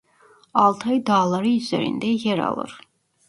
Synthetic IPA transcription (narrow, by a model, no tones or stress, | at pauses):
ɑlˠt̪ʰɑjd̪ɑːlˠaɾiːzɛ̰ɾḭnd̪ɛjɛɾɑ̰lˠɯ̰ɾ